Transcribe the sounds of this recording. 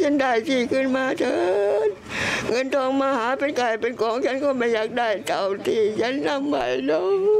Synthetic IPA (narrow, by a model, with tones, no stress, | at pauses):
se˧˥nɗa˧˩jt͡ɕi˧˩kʰɯ˧˩˨nmaː˧t̪ʰəː˧˩t̚ | ŋə˧nt̪ʰɔː˧ŋmaː˧haː˨˦pe˧nka˨˩jpe˧nkɔː˨˦ŋkʰa˨˧˦nkɔː˧˩maː˧˩jɲaː˨˩k̚ɗaː˧˩jt̪a˨˩wt̪ʰi˧˩t͡ɕa˧˦˥nːa˧˩mːa̰˨˩jɗo˧˥w